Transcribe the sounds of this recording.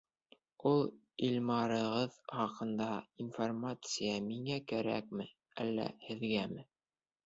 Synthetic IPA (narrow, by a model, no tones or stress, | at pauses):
ulˠ | ilʲmɑɾɤ̆ʁɤðχɑqɤ̆nd̪ɑinformat̪sɨjɑmiŋækæɾæ̰k̚mɘ | æ̰lːæ̰hɘ̆ðɡæmɘ